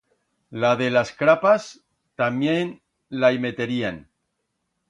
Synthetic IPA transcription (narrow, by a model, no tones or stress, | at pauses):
laðe̞laskɾapas | t̪amjen | laime̞t̪eɾian